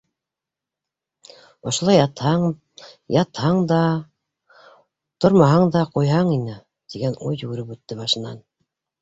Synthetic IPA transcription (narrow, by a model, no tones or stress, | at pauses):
ŏʃŏlˠɑjt̪ɑ | jɑt̪hɑɴd̪ɑ | t̪oɾmɑɦɑɴd̪ɑqujɦɑɴinɘ | t̪iɡænujːɵɡɘ̆ɾɘpʉt̪ːɘbɑʃɤ̆nɑ̰n